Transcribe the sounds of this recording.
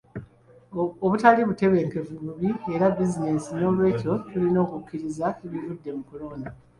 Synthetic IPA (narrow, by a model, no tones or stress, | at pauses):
oβutaliβute̞βe̞ːŋke̞vuβuβie̞ɾabizine̞sino̞ːlwe̞ːco̞tulino̞ːkukːiɾizaeβivudːe̞mukoloːna